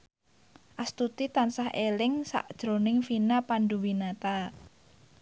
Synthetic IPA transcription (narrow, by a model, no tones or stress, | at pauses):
ʔast̪ut̪it̪ansahʔelɪŋsa̰ʔd̥ʒ̥ɾo̤nɪŋfinapanɖuwinat̪a